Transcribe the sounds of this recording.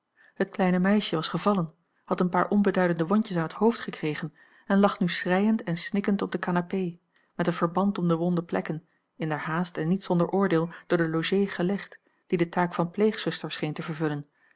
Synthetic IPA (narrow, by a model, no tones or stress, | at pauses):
hət̚klɛjnəmɛjʃəʋɑsχəvɑlən | hɑtənpaːɹʔɔnbədœɥdəndəʋɔɲcəsaːnɦəthowftχəkrejχən | ɛnlɑχnysrɛjəntɛnsnɪkəntɔb̚dəkaːnapej | mɛtənv̥əɹbɑntɔmdəʋɔndəplɛ̰kən | ɪndɛɹɦaːstɛnːitsɔndəɹʔʊːɹdeːlˠd̥ʊːɹdəlowʒejχəlɛχt | d̥idətaːkfɑnplejχsɵstəɹsχejntəvəɹvɵlən